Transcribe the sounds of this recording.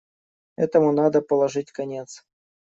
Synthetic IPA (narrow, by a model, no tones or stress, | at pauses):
ɛ̰t̪əmʊnad̪əpəlˠɐʐɨtʲkɐnʲe̞t̪s